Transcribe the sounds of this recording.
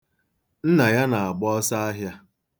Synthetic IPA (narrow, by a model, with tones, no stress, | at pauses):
n̩˦na˨ja˦na˨a˨ɡ͡bɔ˦sa˦a˦ɦja˦